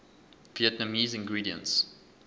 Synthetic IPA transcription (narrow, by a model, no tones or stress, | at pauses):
viɛtnamiːzɪ̃ŋɡɹiːdiə̰̃nts